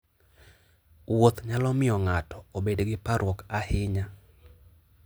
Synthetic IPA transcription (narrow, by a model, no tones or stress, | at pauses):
wot̪ɲalɔmɪɔŋatɔ̥obedɡɪpaɾwɔkahɪɲa